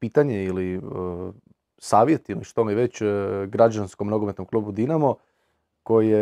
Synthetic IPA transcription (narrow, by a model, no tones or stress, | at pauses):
piːt̪aɲeili | saːʋje̞t̪iliʃt̪oniʋet͡ɕɡɾad͡ʑanskomno̞ɡomet̪nomklˠubud̪inamo | ko̞jije